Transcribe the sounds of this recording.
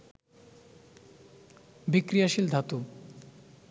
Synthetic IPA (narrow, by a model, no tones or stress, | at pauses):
bikɾiaʃild̪ʱat̪u